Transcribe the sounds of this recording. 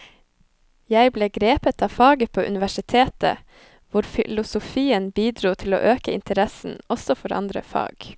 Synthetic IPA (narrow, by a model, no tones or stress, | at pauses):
jæɪbleːɡɾeːpət̪ʰɑːfɑːɡəpʰoːʔʉ̰nɪʋæʃɪt̪ʰeːt̪ə̰ | ʋʊɾfɪlʊsʊfiːənbiːd̪ɾuːt̪ʰɪlo̰ːʔøːkəɪ̰nt̪ʰəɾɛsn̩ɔsɔfɔɾʔɑ̰nd̪ɾə̰fɑ̰ːɡ̥